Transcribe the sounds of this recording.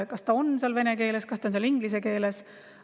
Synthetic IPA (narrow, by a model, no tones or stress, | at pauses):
kɑst̪ɑonseɑlve̞neke̞ːleskɑst̪ɑonseliŋɡ̥lis̬eke̞ːles